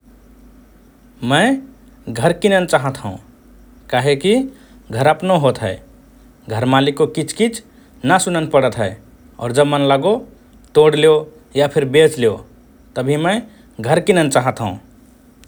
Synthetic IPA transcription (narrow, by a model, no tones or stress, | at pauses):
mə̃ | ɡʱəɾkinənt͡ʃaːɦət̪ɦṵ̃ | kaːɦeki | ɡʱəɾəpnoɦot̪ɦɛː | ɡʱəɾmalikːokit͡ʃʰkit͡ʃʰ | nəsʊnənpəɽət̪ɦɛe | ɔ̰ːɾd͡ʒəbmənləɡo | t̪oɽleo | japʰɪɾbet͡ʃleo | t̪əbʱimə̃ | ɡʱəɾkinənt͡ʃaːɦət̪ɦə̰̃